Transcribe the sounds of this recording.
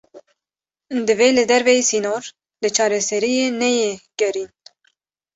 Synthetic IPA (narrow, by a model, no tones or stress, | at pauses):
d̪ɨvelɨd̪ɛɾvɛjisinoːɾ | lɨt͡ʃʰɑːɾɛsɛɾijeːnɛjeɡ̥ɛɾiːn